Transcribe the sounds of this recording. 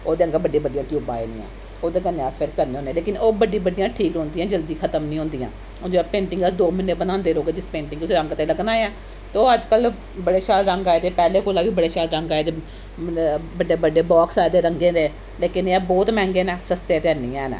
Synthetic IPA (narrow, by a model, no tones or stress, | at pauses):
oːd̪eːəŋɡabəɖiːbəɖijãːʈjuːbã̰ːḛnḭ̃ːɛ̰̃ː | oːd̪eːɡənaːspʰɪɾkəɾneːõːndẽːleːkɪnoːbəɖĩːbəɖijãːʈʰiːkõːnd̪ijãːd͡ʒəld̪iːkʰət̪əmnĩːɦʊ̃ːnd̪ijã̰ː | od͡ʒeəpẽːɳʈɪ̃ŋɡəsd̪oːmɪneːbənãːnd̪eːloːɡeːd͡ʒɪspẽːɳʈɪ̃ŋɡʊsiːɾəŋɡt̪eːləɡnaːeɛ̃ː | t̪oːəd͡ʒkəl | bəɽeːʃaːlɾəŋɡaːed̪eːpɛːleːkʰoːlaːʋiːbəɽeːʃaːlɾəŋɡaːed̪eː | bəɖeːbəɖeːbɔːksaːd̪eːɾəŋɡẽːd̪eː | leːkɪneɛːbɔːt̪mɛ̃ːŋɡeːnɛ̃ːsəst̪eːt̪ɛːniːɛ̃ːnɛ̰ː